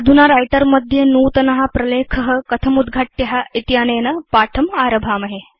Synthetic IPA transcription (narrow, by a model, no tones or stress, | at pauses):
d̪ʱunaɾajʈəɾməd̪ʱjenuːt̪ɐnɐɦapɾɐleːkʰəɦəkɐt̪ʰɐmud̪ɡʱaʈːjɐɦaʔit̪janeːnɐpaːʈʰɐmaːɾɐbʱaːmɐɦe